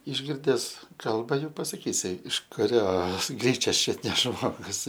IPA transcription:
ɪʒʲˈɡʲɪrʲdʲɛs ˈkɐlˠbɐ ˈjuː pɐsɐˈkʲiːsʲɪ ɪʃ kʊˈrʲoːs ˈɡrʲiːt͡ʃʲɛs ˈt͡ʃʲʊt nʲɛ ˈʒmoːɡʊs

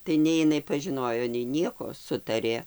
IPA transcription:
tɐɪ ˈnʲɛɪ ɪˈnɐɪ pɐʒʲɪˈnoːjoː nʲɛɪ ˈnʲiɛkoː ˈsʊtɐrʲeː

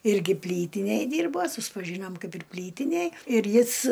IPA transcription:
ˈɪrʲɡʲɪ ˈpʲlʲiːtʲɪnʲeːj ˈdʲiːrboː sʊspɐˈʒʲiːnoːm ˈkɐɪp ɪr ˈpʲlʲiːtʲɪnʲeːj ɪr ˈjɪs

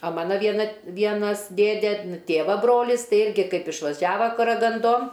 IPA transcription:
ɐ ˈmɑːnɐ ʋʲiɛˈnɐ t ˈʋʲiɛnɐs ˈdʲeːdʲeː ˈtʲeːʋɐ ˈbroːlʲɪs ˈtɐɪ ˈɪrʲɡʲɪ ˈkɐɪp ɪʃʋɐˈʒʲæːʋɐ kɐrɐɡɐnˈdoːn

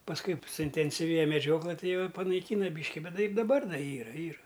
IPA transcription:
pɐsˈkʊɪ sʊɪnʲtʲɛnʲsʲɪˈʋʲeːjɛ mʲɛˈd͡ʒʲoːklˠɘ ˈtɐɪ ˈjɛʊ ɪ pɐnɐɪˈkʲiːnɐ ˈbʲiːʃʲkʲɪ ˈbʲɛt ˈtɐɪ ɪr dɐˈbɐr ˈdɐr ˈiːrɐ ˈiːrɐ

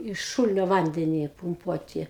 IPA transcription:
ɪʃ ˈʃuːlʲɪnʲoː ˈʋɐnʲdʲɛnʲɪ pʊmˈpuɔtʲɪ

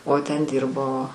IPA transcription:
oː ˈtʲɛn ˈdʲiːrboː

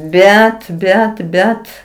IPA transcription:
ˈbʲɛt ˈbʲɛt ˈbʲɛt

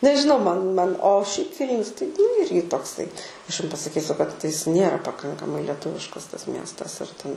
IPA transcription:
nʲɛʒʲɪˈnɐʊ ˈmɐn ˈmɐn oː ʃʲɛɪp ˈʋʲiːlʲnʲʊs tɐɪ nʊ ˈɪrʲɡʲɪ toːkˈsɐɪ ˈɐʃ jʊm pɐsɐˈkʲiːsʲʊ kɐt ˈjɪs ˈnʲeːrɐ pɐˈkɐŋkɐmɐɪ lʲɛˈtʊʋʲɪʃkɐs tɐs ˈmʲiɛstɐs ɪr ˈtʲɛn

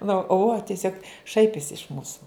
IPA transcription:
nʊ ʊ oː tʲiɛˈsʲoːk ˈʃɐɪpʲɪsʲɪ ɪʃ ˈmuːsʊ

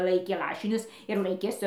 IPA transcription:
ˈlˠɐɪkʲeː ˈlˠɑːʃʲɪnʲʊs ɪr ˈlˠɐɪkʲeː ˈsʊ

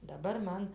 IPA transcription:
dɐˈbɐr ˈmɐn

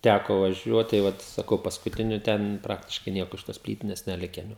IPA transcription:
ˈtʲækoː ʋɐˈʒʲuɔt tɐɪ ˈʋɐt sɐˈkɐʊ pɐskʊˈtʲɪnʲʊ ˈtʲɛn ˈprɑːktʲɪʃkɐɪ ˈnʲiɛkoː ɪʃ toːs ˈpʲlʲiːtʲɪnʲɛs nʲɛˈlʲɪkʲɛn jɛʊ

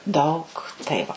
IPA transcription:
ˈdɐʊk tɐɪ ˈʋɐ

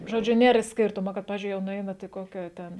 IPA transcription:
ʒoːˈd͡ʒʲʊ ˈnʲeːr ˈsʲkʲɪrtʊmoː kɐt ˈpɑːʋʲɪzʲd͡ʒʲʊɪ jɛʊ nʊˈɛɪnɐt ɪ ˈkoːkʲɛ ˈtʲɛn

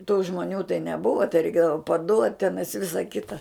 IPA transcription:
tuː ʒmoːˈnʲuː tɐɪ nʲɛˈbʊʋɐ tɐɪ rʲɛɪˈkʲeːdɐʋɐ pɐˈduɔtʲ ˈtʲæːnɐɪs ˈʋʲɪsɐ ˈkʲɪtɐ

